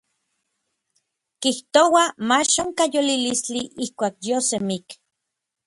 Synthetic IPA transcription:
kiht̪owamaʃoŋkajolilist͡ɬiʔihkʷaːk̚josemik

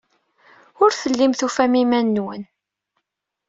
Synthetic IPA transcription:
ʊɾθəlːimθufæmimænːwən

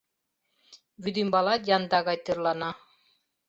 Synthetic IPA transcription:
βyd̪imbɑlˠɑt̪jɑnd̪ɑɣɑjt̪ɯɾlˠɑnɑ

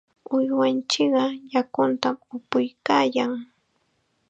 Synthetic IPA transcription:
ʊjwant͡ʃɪɢɑjakʊnt̪amʊpʊjkaːjaŋ

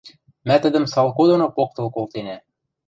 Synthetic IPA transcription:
mæt̪ɘ̆d̪ɘ̆msɑlˠkod̪onɤpok̚t̪ɤ̆lˠkolˠt̪enæ

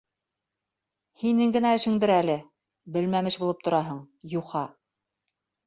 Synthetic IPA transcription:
hinɘŋɡɘ̆næɘ̆ʃɘ̆ŋd̪ɘɾælɘ | bɘ̆lmæmɘʃbulˠɤp̚t̪ŏɾɑɦɤɴ | juqɑ

